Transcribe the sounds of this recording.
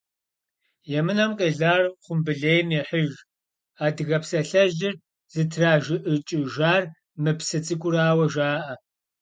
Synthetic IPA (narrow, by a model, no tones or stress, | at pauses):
jɛmɨnɐmqʼeːɮaːrχʷʊmbɨɮeːjmjɛħəʒ | aːdɨɣɐpsɐɬɐʒɪr | z̥ɨtʰraːʒɪʔɨt͡ʃʼɪʒaːr | mɨpsɨt͡sʼɨkʷʼʊraːwɐʒaːʔɐ